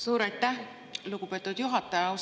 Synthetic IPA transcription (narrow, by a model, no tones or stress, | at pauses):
suːɾɑjt̪ːˑæh | luɡ̥upe̞t̪ːˑud̪̥juɦɑt̪ːˑɑjɑus